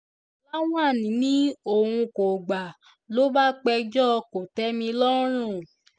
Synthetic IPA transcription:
la˦w̃ã˦˨nĩ˨˦nĩ˦o˨hũ˧ko˨ɡ͡ba˨ | lo˦ba˦k͡pɛ˧d͡ʒɔ˦˧ko˨tɛ˦mĩ˧lɔ˦ɾ̃ũ˦˨

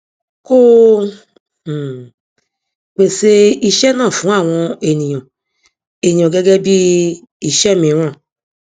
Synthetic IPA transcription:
ko˦˨ | k͡pe˨se˧i˧ʃɛ˦nãː˦˨fũ˨˦a˦˨w̃ɔ̃˧e˨nĩ˨jɔ̃˨ | e˨nĩ˨ɔ̃˨ɡɛ˦ɡɛ˦bi˦ | i˨ʃɛ˦mĩ˨˦w̃ã˦˨

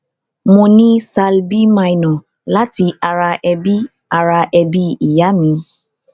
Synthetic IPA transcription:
mõ˧nĩ˦sa˧lbi˦mã˧jnɔ̃˨ | la˦ti˧ʔa˧ɾa˧ʔɛ˧bi˦ | a˧ɾa˧ʔɛ˧bi˦i˨ja˨˦mĩ˧

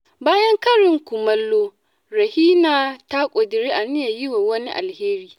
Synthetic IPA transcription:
baː˦jɐ˦ŋkɐ˦ɾɪ˨ŋkʷʊ˨mɐ˦lːoː˦ | ɾɐ˨hiː˦naː˨ta˦kʷʼo˨dɪ˨ɾiː˦ʔa˨nɪ˦ja˨jɪ˦waː˨wɐ˦ni˦ʔa̰˨lheː˦ɾiː˦

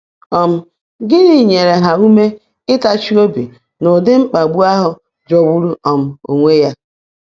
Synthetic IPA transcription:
ɔ˨m̩˦ | ɡɪ˦ɾi˨ɲe˨ɾe˨ɦa˨u˦me˦ | ɪ˦ta˦t͡ʃi˦o˦bi˨ | no˨dɪ˦ŋ͡m̩˦k͡pa˨ɡ͡bu˦a˦ɦʊ˨ | d͡ʒɔ˨wu˦ɾu˦ɔ˨m̩˨o̰˨ŋʷe˦ja˦

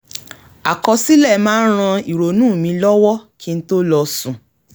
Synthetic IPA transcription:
a̰˨kɔ˧si˦lɛ˦˨mãː˦ɾ̃ã˧i˨ɾo˨nũː˦˨mĩ˧lɔ˦wɔ˦kʰi˦n̩˦to˦lɔ˧sũ˨

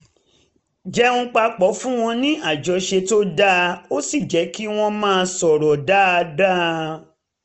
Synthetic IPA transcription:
d͡ʒɛ˨˦ũ˧k͡pa˧k͡pɔ˨˦fũ˦w̃ɔ̃˧nĩ˦a˦˨d͡ʒɔ˧ʃe˧to˦da˦˧o˦si˦˨d͡ʒɛ˨˦ki˦w̃ɔ̃˧mãː˦˧sɔ˨ɾɔ˨da˦a˧da˦

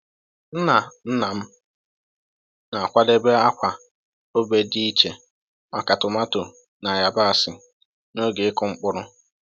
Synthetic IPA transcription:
n̩˦na˨n̩˦na˨m̩˦ | na˨a˨kʷa˦de˦be˦a˦kʷa˨ | o˦be˨di˦i˦t͡ʃe˨ | ma˨ka˨tʊ˨ma˦to˨ | na˨ja˨ba˦a˨sɪ˨ | no˦ɡe˨ɪ˦kʊ˨ŋ͡m̩˦k͡pʊ˦ɾʊ˦

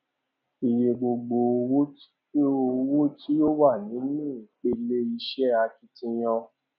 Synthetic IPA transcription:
i˨je˨ɡ͡bo˧ɡ͡bo˧˦ | o˧wu˦tʰi˦jo˦wa˦˨nĩ˨˦mĩ˦˨k͡pe˦le˦i˧ʃɛ˦a˧ki˧tĩ˧j̃ɔ̃˧

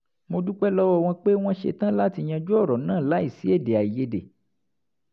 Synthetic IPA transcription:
mo˧du˦k͡pɛ˦lɔ˦wɔ˦˨w̃ɔ̃˧k͡pe˦w̃ɔ̃˦ʃḛ˧tã˦la˦ti˧j̃ã˧d͡ʒu˦ɔ˦˨ɾɔ˨nãː˦˨la˨˦i˦˨si˨˦e˦˨de˨a˨i˨je˨˦dḛ˨

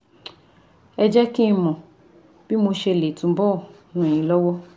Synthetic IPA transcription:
ɛ˧d͡ʒɛ˦kĩ˦˧mɔ̃˨ | b̥i˦mo˧ʃe˧˨le˨tũ˨˧bɔ˦˨nũ˨e˨j̃ĩ˨˦lɔ˦wɔ˦

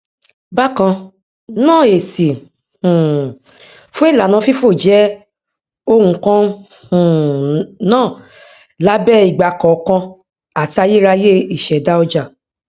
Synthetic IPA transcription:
ba˦kã˧ | nãː˦˨e˨sĩ˨ | fũ˦e˦˨la˨nã˧fi˦fo˦˨d͡ʒɛ˦ | o˦wũ˧kã˦˨ | nãː˦˨ | la˨˦bɛ˦i˨ɡ͡ba˨kɔ˨˧kã˧ | a˨ti˧a˧je˦ɾa˧je˦i˦˨ʃɛ˨da˦ɔ˧d͡ʒa˨

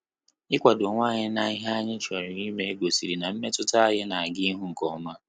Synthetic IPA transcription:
ɪ˦kʷa˨do˨ŋʷaː˦˨ɲɪ˦na˨ɪ˦ɦa˦ɲɪ˦t͡ʃa˨ɾɪ˨i˦me˦ɡʷo˨si˨ɾi˨na˨m̩˦me˦tʊ˦ta˦a˦ɦɪ˦na˨a˨ɡɪ˦ɦʊ˦ŋ̩˨kɔ˨ma˦

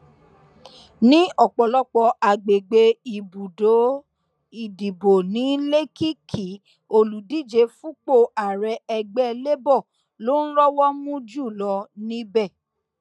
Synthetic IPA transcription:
nĩ˦ɔ˦˨k͡pɔ˨lɔ˦k͡pɔ˧ʔa˨ɡ͡be˨ɡ͡be˧i˨bu˨do˨˦ | i˨di˨bo˨nĩ˨˦le˦ki˦kʰi˨ | o˧lu˨di˦˨d͡ʒe˧fũ˦k͡po˦˨a˨ɾɛ˧ɛ˧ɡ͡bɛ˦le˦bɔ˦˨ | lo˦n̩˦ɾɔ˦wɔ˦mũ˦d͡ʒu˦˨lɔ˧˦nĩ˦bɛ˦˨

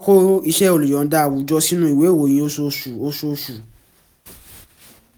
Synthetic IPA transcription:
ko˦i˧ʃɛ˧o˨lu˨j̃ɔ̃˨˦da˦˨wu˨˦d͡ʒɔ˧si˦nũ˦i˨we˨˦˨wo˨j̃ĩ˧˦o˧so˧ʃu˨o˧so˧ʃu˨

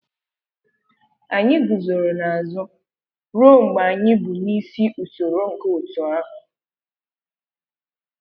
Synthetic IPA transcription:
a˨ɲɪ˦ɡʊ˨zo˨ɾo˨na˨a˨zʊ˦ | ɾo˦˨ŋ͡m̩˨ɡ͡ba˨a˨ɲɪ˦bʊ˨ni˦si˦ʔu˨to˨ɾo˦ŋ̩˨ke˦u˨tɔ˨a˦ɦʊ˨

